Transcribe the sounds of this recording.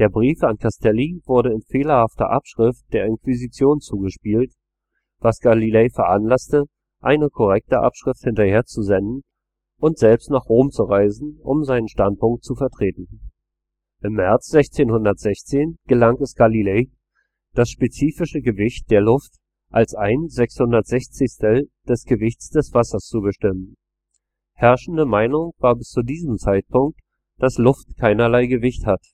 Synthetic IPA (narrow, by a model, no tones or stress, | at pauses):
d̥eːɐbʁiːfankʰastʰɛlivʊɐɾəɪnfeːlɐhaftɐ̰ʔapʃʁ̥ɪft̚d̥eːɐɪnkv̥izit͡sjoːnt͡suːɡəʃpiːlt | vasɡ̥alileɪfɛɐʔanlastə | ʔaɪnəkʰɔʁ̞ɛk̚təʔa̰pʃʁ̥ɪfthɪntɐheːɐt͡suzɛndn̩ | ʔʊntz̥ɛlpstnaːχʁ̥oːmt͡suʁaɪzn̩ʔʊ̰mzaɪnənʃtant̚pʊŋk̚tt͡sufɛɐtʁ̥eːtn̩ | ʔɪmːɛɐt͡sz̥ɛçt͡seːnhʊndɐtz̥ɛçt͡seːnɡ̥əlaŋtɛsɡ̥alileː | d̥asʃpet͡siːfɪʃəɡəvɪçt̚d̥eːɐlʊft | ʔalsaɪnzɛkshʊndɐtz̥ɛçt͡sɪçstəld̥ɛsɡ̥əvɪçt͡sd̥ɛsv̥asɐst͡subəʃtɪmən | hɛɐʃn̩dəmaɪnʊŋvaːɐbɪst͡sudiːzəmt͡saɪt̚pʰʊŋk̚t | d̥aslʊftkʰaɪnɐlaɪɡəvɪçthat